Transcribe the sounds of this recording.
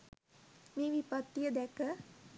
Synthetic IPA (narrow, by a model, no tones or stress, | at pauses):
miːʋipat̪ːijəd̪ɛkə